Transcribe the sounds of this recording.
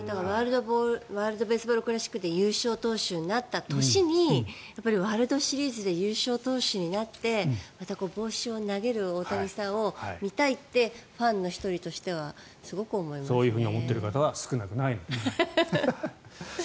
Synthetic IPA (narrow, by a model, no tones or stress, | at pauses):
d̪aɡaβaːɾɯ̟d̪oboɾβaːɾɯ̟d̪o̞be̞ːsɨbo̞ːɾɯ̟kɯ̟ɾaɕi̥kɯ̟t̪e̞jɯːɕo̞ːt̪o̞ːɕɨːɲnat̪ːat̪o̞ɕiɲ̟ijapːaɾʲiβaːɾɯ̟d̪o̞ɕiɾʲiːzɨd̪e̞jɯːɕo̞ːt̪o̞ːɕɨɲ̟inat̪ːe̞mat̪ako̞ːbo̞ːɕio̞naɡe̞ɾɯ̟o̞t̪aɡʲisão̞mʲit̪ait̪ːe̞ɸãnːo̞çi̥t̪o̞ɾʲit̪o̞ɕi̥t̪e̞β̞a | sɨɡo̞kɯ̟o̞mo̞imasoːjɯ̟ːɸɯ̟ːɲio̞̰mo̞t̪ːe̞ɾɯ̟kat̪aβasɨ̥kɯ̟nakɯ̟nainod̪e